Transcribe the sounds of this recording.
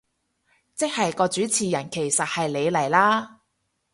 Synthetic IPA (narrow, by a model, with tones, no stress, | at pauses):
t͡sɪ˥k̚hɐ˨jkɔː˧t͡ʃyː˨˥t͡sʰiː˨˩jɐ˨˩nkʰe˨˩jsɐ˨t̚hɐ˨jle˨˧jlɐ˨˩jlaː˥